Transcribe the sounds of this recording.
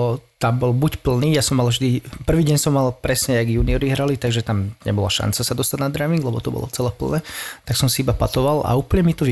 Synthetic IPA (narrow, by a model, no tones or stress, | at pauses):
t̪ambɔlbucpl̩niːjasɔmːalvʒd̪ipr̩ʋiːɟɛɲsɔmːalpɾɛsɲɛaɡjuːniɔɾiɦɾalit̪aɡʒɛt̪amɲɛ̰bɔla̰ʃa̰nt͡sasad̪ɔst̪aɟ̪nad̪ɾamiŋɡlɛbɔt̪ɔbɔ̰lˠɔ̰t͡sɛlɛːpl̩nɛt̪aksɔmsiibapa̰t̪ɔʋala̰uːplɲɛmit̪ɔʋ